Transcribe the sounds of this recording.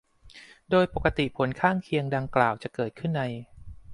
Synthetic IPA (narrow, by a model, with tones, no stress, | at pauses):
doː˧jpo˨˩kːa˧t̪i˨˩pʰo˩˦nkʰaː˥˩ŋkʰi˧əŋda˧ŋklaː˨˩wt͡ɕa˨˩kɤː˨˩t̪̚kʰɯ˥˩nːa˧j